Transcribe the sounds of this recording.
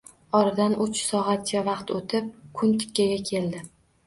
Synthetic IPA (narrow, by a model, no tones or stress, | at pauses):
ɒɾɪd̪anʊt͡ʃsɒʁat̪̚t͡ʃʰavɑqt̪ʰot̪ʰɪp̚kʰʊnt̪ʰɪ̥kʲʰːaɡʲakʲʰe̞ld̪ɪ